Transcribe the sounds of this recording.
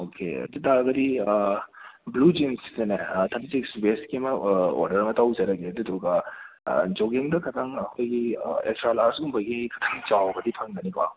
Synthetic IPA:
okʰḛɐ̰tidaɐɡɐdi | blud͡ʒimsi̥zenetʰɐpisiksbeskimɐo̰ɾdɐɾmɐtawzɐɾɐɡeduduɡɐ̰ | d͡ʒoɡiŋdɐkʰɐtʰɐŋɐkʰojɡiḛkstɾalaɾsumbɐɡikʰɐ̥tʰɐŋt͡ʃawbɐdipʰɐŋdɐnikʰwa̰

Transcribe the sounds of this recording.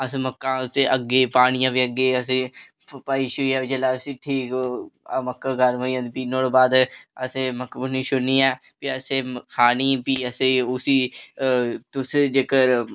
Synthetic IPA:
əsẽməkːãːseʔəɡːeːpaːɽ̃ɪjãːbiːəɡeːəs̬ẽː | paːiːʃuiːɛːid͡ʒəlaːsiːʈʰiːkː | məkːãːɡəɾməə̃nd̪piːnoːɽbaːd̪əsẽːməkːbʊnĩːʃʊniːɛː | piəsẽːkʰaːniːpiːəsẽʊsiː | t̪ʊsd͡ʒeːkəɾ

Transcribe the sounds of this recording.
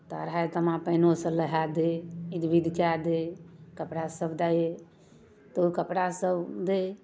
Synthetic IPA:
t̪aɾat̪əmãpəɦnosələɦad̪eid̪ʋid̪ʱkad̪ekəpɽasəbd̪aje | t̪əukəpɽasəbd̪e

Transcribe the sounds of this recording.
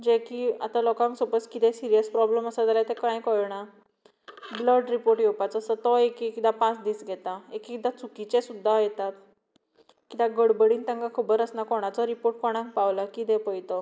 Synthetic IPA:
d͡ʑekia̰t̪alɔkãŋksɔpət͡skit̪ʰɛ̃siɾijəspɾɔbləməsad͡zalajt̪ɛkãjkɔɭɳa | bləɖɾipoɾʈjɛwpat͡sɔsət̪ɔekikit̪apãt͡sd̪iːsɡʱɛt̪aekikit̪at͡sukit͡ɕɛ̃sud̪ʱːajɛt̪at̪ | kit̪aɡəɽbəɽiːnt̪ãŋɡakʰubəɾəsnakɔɽ̃at͡sɔɾipoɾʈ̚kɔɽ̃ãŋk̚pawlakit̪ɛ̃pəjt̪ɔ

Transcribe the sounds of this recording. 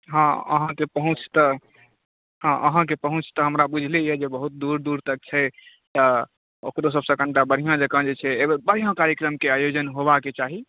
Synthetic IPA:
ɦãə̰ɦãkepəɦũt͡ʃʰt̪ɔ | ɦãʔə̰ɦãk̬epəɦũt͡ʃʰt̪əɦəmɾabud͡ʒʱlejɛd͡ʒebəɦut̪̚d̪uɾd̪uɾt̪ək̚t͡ʃʰɛ | t̪ə | o̰kɾos̬əbsə̃kəɳʈabəɾ̤ijãd͡ʒəkə̃nd͡ʒet͡ʃʰɛebəɾ̤ijãkaɾjəkɾəmkeajod͡ʒənɦoβaket͡ʃaɦi

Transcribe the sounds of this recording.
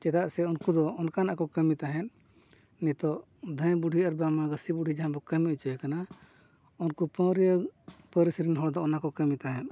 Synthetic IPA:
t͡ʃɛd̪aʔsɛunkud̪ɔːnkanaʔkɔkəmit̪aɦɛn | nit̪ɔʔ | d̪ʱə̃jbuɖʱiaɾbamaɡəsibuɖʱid͡ʒãbɔkəmiut͡ʃɔjɛkana | unkupə̃ɾijəpəɾisɾinɦɔɽd̪ɔɔnakɔkəmit̪aɦɛ̃n

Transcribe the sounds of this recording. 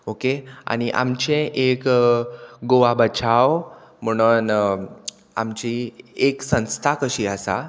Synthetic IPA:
okea̰ñiʔa̰mt͡ɕẽʔek | ɡoʋabət͡ɕawm̤əɽ̃un | a̰mt͡ɕieksə̃w̃st̪ʰakəɕiːəsa̰

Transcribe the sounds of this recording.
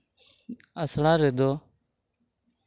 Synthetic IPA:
əsɽãːɾeːd̪oː

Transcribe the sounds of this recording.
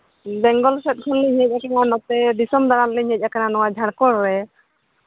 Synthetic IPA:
bɛŋɡɔlsɛt̪̚kʰɔnlɛɲɛc̚akananɔt̪ɛdisɔmd̪aɾanlɛɲɛc̚akananɔwad͡ʒʱankɔɾːɛ

